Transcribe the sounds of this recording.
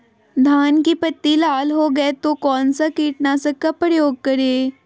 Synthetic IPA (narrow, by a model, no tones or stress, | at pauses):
d̪ʱankiːpət̪ːiːlalɦoɡəet̪okɔnt͡səkiːʈnasəkəpɾjoɡ̚kəɾe